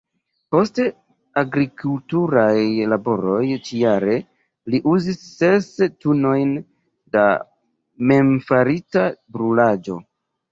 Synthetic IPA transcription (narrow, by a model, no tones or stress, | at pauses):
po̞ste | aɡɾikʰultuɾajlabo̞ɾo̞jt͡ʃijaɾe̞ | liʔuzisːe̞stuno̞jn | da̰ | me̞mfaɾitabɾulad͡ʒo̞̰